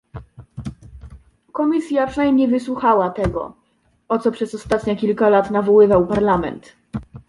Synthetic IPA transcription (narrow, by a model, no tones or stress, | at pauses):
kɔmʲisʲjapʂɛnajmɲejvɘswuxawat̪ɛɡɔ̰ | ɔt̪sɔpʂɛsɔst̪at̪ɲɛkʲilkalat̪navɔwɘvawpaɾlamɛ̰nt̪